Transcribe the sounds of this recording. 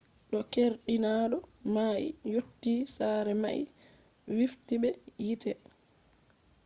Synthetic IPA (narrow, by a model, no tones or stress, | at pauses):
ɗɔkeɾɗinaɗɔmaʔḭjotːiːsaːɾɛma̰ʔḭ | wiftibɛjitʰɛ